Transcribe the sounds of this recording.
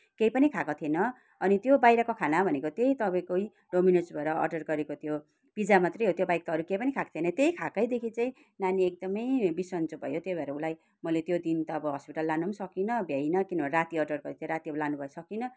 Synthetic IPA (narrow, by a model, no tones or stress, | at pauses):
kejpʌnikʰakot̪ʰenʌ | ʌnit̪jobajɾakokʰanabʱʌnekot̪ejt̪ʌbaĩkoi | ɖominesbʱʌeɾʌʌ̰rɖʌrɡʌɾekot̪jo | b̥id͡zamat̪rʌjɦot̪jobajk̚t̪aɦʌɾukejpʌnikʰakt̪ʰenʌt̪ejkʰakʌjd̪ekʰit͡saĩ | naniek̚d̪ʌmʌjbisʌnt͡subʱʌ̰jot̪jojbʱaɾʌulaj | mʌlet̪jod̪int̪ʌːbʌɦʌspiʈʌlːanumsʌkinʌbʱjejnʌkinʌbʌneɾat̪iʌrɖʌrɡʌɾit̪ʰjeɾat̪iʌɾulanubʱʌjsʌkinʌ